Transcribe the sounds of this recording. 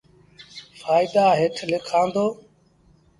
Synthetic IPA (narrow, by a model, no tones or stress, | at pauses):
faːɪd̪aːɦɪʈʰlɪkʰãːnd̪oː